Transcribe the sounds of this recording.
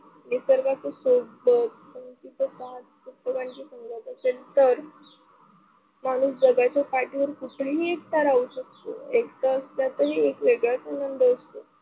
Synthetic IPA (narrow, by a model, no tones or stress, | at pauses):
nisəɾkat͡sesobə | ənt͡ɕit͡səsat̪kupːəʋaɳd͡ʑisəŋɡat̪at͡ɕelt̪əɾ | mañuːsd͡zəɡat͡ɕapaʈiʋəɾkuʈʰliɦiek̚t̪aɾauɕək̚t̪o̰ekt̪aəsljat̪əɾiekʋeɡɭjat͡sənənd̪əəst̪o